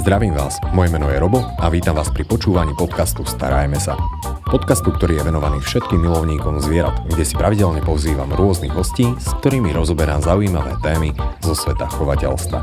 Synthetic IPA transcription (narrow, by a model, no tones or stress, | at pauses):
zd̪ɾaʋiːmʋaːsmɔjɛmɛnɔjɛɾɔbɔaʋiːt̪amʋaːspɾipɔt͡ʃuːʋaɲiːpɔt̪kast̪ust̪a̰ɾa̰jmɛsa̰ | pɔt̪kast̪uk̚t̪ɔɾiːjɛʋɛnɔʋaniːfʃɛt̪̚kiːmːilɔʊɲiːkɔmzʋɪɛɾa̰t̪ɡɟɛsi̥pɾaʋiɟɛʎɲɛpɔʊziːʋa̰mɾʊɔzniɣɦɔsciːsk̚t̪ɔɾiːmiɾɔzɔbɛɾamzaujiːmaʋɛ̰ːt̪ɛːmizɔsʋɛt̪axɔʋacɛ̰ʎst̪ʋa̰